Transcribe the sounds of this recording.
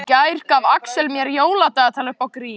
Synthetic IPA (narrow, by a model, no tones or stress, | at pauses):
cajɾ̥kavaksɛlmjɛɾjoːwlat̪aːɣat̪ʰaːlʏhpawkɾiː